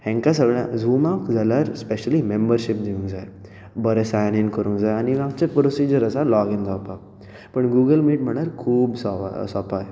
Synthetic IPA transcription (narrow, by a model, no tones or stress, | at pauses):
hɛ̃ŋkasəɡɭã̰zumakd͡zalaɾspeɕəlimẽmbəɾɕip̚d̪iũŋɡd͡zaj | bəɾesajninkəɾũŋd͡zajaniʋãk̚t͡ɕepɾosid͡ʑəɾəsalɔɡind͡zʱawpak̚ | pəɳɡuːɡəlmiːʈm̤əɽ̃aɾkʰuːbsɔ̰sɔpaj